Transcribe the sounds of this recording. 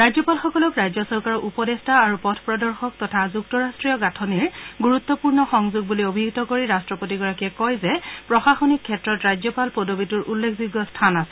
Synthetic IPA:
ɹajzɔpalxɔkɔlɔkɹajzjɔsɔɹkaɹɔupɔdestaːɹupɔtʰpɹɔdɔɹxɔk̚tɔtʰazuktɔɹastɹijɔɡatʰɔniɹɡuɹut̪ːɔpuɹnɔxɔŋzuɡ̚buliobʱiɡtɔkoɹiɹastɹɔpotiɡɔɹakiɛkɔjzɛpɹɔxaxonikʰːɛtɹɔtɹajzjɔpalpodobituɹʔulːekʰzuɡːɔstʰanasɛ

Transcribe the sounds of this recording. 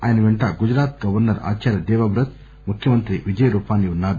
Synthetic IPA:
aːjɐnɐʋeɳʈaːɡud͡ʒɾaːt̪̚ɡɐʋɐɾnɐɾa̰ːt͡ʃaːɾjɐd̪ɛːʋɐbɾɐt̪̚ | mukʰjɐmɐnt̪ɾiʋid͡ʒɐjɐɾuːpaːniunːaːd̪u

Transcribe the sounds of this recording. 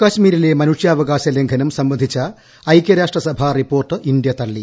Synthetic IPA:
kɐɕmiːɾile̞mɐnuʂjaːʋɐɡaːɕɐleŋɡʰʱɐnɐmsɐmbɐnd̪ʱit͡ɕːɐ | ɐjkʲjɐɾaːʂʈrɐsɐbʱɐripːo̞ːrʈɨʔind̪jɐt̪ɐɭːi

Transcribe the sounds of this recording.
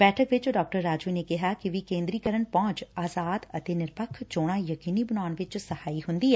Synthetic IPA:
bɛːʈʰəkʋɪt͡ʃɖaːk̚ʈəɾːaːd͡ʒuːneːkɪɦaːkɪʋiːkẽːnd̪ɾiːkəɾəɳpɔ̃ːnt͡ʃaːzaːd̪ət̪eːnɪɾpəkʰt͡ʃoːɽ̃aːjəkiːniːbənaːnʋɪt͡ʃsəhaːiːɦʊnd̪iːɛː

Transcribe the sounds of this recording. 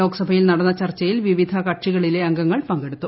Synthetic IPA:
o̞ːɡɐsɐbʱɐjilnɐɽɐnːɐt͡ɕɐrt͡ɕːɐjilʋiʋid̪ʱɐkɐʈʂiɣɐɭile̞ɐŋɡɐŋːɐɭpɐŋɡe̞ɽut̪ːu

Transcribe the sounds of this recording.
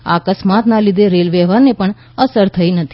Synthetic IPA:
a̰kəsmat̪nalid̪eɾelʋɛɦʋaɾnepəɳ | əsəɾt̪ʰəinət̪ʰi

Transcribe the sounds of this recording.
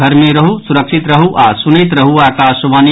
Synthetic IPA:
ʌɾmeɾʌɦusuɾəkʃʰit̪ɾɐɦuʔasunɐjt̪ɾʌɦuaːkasoʋani

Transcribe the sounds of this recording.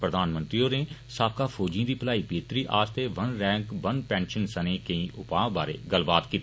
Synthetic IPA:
pɾəd̪ʱaːnmə̃nt̪ɾioːneːsaːb̚kaːpʰoːd͡ʒĩd̪iːpəlaːiːbeːt̪ɾiːʔaːst̪ʰeːʋənɾɛ̃ːŋkʋənpɛ̃ːnʃənsənẽːkə̃ĩːʔʊpaːbaːɾḛːɡəlbaːt̪kiːt̪ː

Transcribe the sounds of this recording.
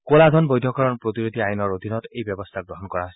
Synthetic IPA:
koladʱɔnbɔjdʱɔkaɹɔnpɹotiɹotiajnɔɹod̪ʱinɔtejbjɔbɔstʰaɡɹɔɦɔnkɔɹasɛ

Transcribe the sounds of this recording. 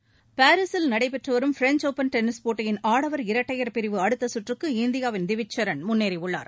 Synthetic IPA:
paːɾɪsɪlnɐɽɐɪpɛʈrɯʋɐɾɯmfɪɾɛɲt͡ʃoːpɐnʈɛnːɪspoːʈːɐjɪnaːɽɐʋɐɾɪɾɐʈːɐjɐɾpɪɾɪʋɯɐɽɯt̪ːɐsʊʈrɯkːɯɪnd̪ɪjaːʋɪnd̪ɪʋɪt͡ʃːɐɾɐnmʊnːeːɾiʊɭːa̰ːɾ

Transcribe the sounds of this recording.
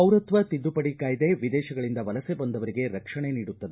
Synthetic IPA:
ɐwɾɐt̪ʋɐt̪id̪ːupɐɽikaːjɐd̪eʋid̪ɛːʃɐɡɐɭind̪ɐʋɐlɐsebɐnd̪ɐʋɐɾiɡe̞ɾɐkʂɐɳe̞niːɽut̪ːɐd̪e

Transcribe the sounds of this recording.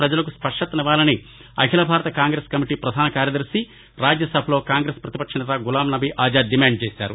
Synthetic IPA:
pɾɐd͡ʒɐlɐkuspɐʂʈɐt̪ɐniʋaːlɐni | ɐ̰kʰilɐbʱaːɾɐt̪ɐkaːŋɡɾeskɐmiʈiːpɾɐd̪ʱaːnɐkaːɾjɐd̪ɐɾsi | ɾaːd͡ʒjɐsɐbʱɐlo̞ːkaːŋɡɾeːspɾɐt̪ipɐkʂɐnɐt̪ɐɡulaːmnɐbʱiʔaːd͡ʒaːdimaːɳɖ̚t͡ʃeːsa̰ːɾṵ

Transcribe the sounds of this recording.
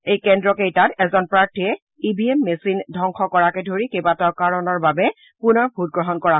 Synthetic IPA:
ejkɛndɹɔkejtatɛzɔnpɹaɹtʰiɛ | ibʱiemːesindʱɔŋxʰɔkɔɹakɛdʱoɹikebataʊkaɹɔnɔɹbabɛ | punɔɹbʱut̚ɡɹɔɦɔnkɔɹa

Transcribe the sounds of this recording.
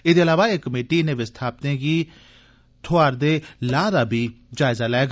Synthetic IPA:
ɪd̪eːəlaːʋaːeːkːəmeːʈinẽːʋɪst̪ʰaːp̚t̪ẽːɡiː | t̪ʰʊaːɾd̪eːlaːd̪aːbʱiːd͡ʒaːɪzaːlɛːɡ

